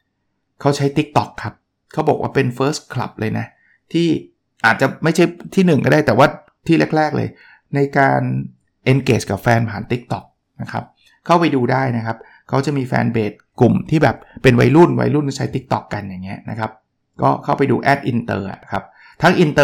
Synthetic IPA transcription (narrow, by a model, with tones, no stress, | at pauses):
kʰa˦˥wt͡ɕʰa˦˥jt̪i˦˥k̚t̪ɔ˨˩kʰːa˦˥p̚ | kʰa˦˥wbɔː˨˩k̚wa̰ː˥˩pe˧nfɤː˦˥skʰla̰˨˩p̚lʔɤː˧jna˦˥ | t̪ʰiː˥˩ | ʔaː˨˩t̪̚t͡ɕa˨˩ma˥˩jt͡ɕʰa˥˩jt̪ʰiː˥˩nɯ˨˩ŋkɔː˥˩daː˥˩jt̪ɛː˨˩waː˥˩ | t̪ʰiː˥˩le˦˥˩k̚lɛː˥˩k̚lɤ̰ː˧j | na˧jkaː˧n | ʔe˧nkeː˨˩t͡ɕ̚ka˨˩p̚fɛː˧npʰaː˩˦nt̪i˦˥k̚t̪ɔ˨˩k̚ | na˦˥kʰa˦˥p̚ | kʰa˥˩wpa˧jduː˧daː˥˩jna˦˥kʰa˦˥p̚ | kʰa˦˥wt͡ɕa˨˩miː˧fɛ̰ː˧nbeː˨˩t̪̚ku˨˩mt̪ʰiː˥˩bɛː˨˩p̚ːe˧nwa̰˧jlu˥˩nwa̰˧jlu˥˩nt͡ɕʰa˦˥jt̪i˦˥k̚t̪ɔ˨˩kːa˧nja˨˩ŋːi˦˥ɐna̰˦˥kʰa˦˥p̚ | kɔ̰ː˥˩kʰa˥˩wpa˧jdṵː˧ʔɛ˦˥˩t̪̚ʔi˧nt̪ɤ̰ː˧a̰˨˩kʰa˦˥p̚ | t̪ʰa˦˥ŋʔi˧nt̪ɤː˧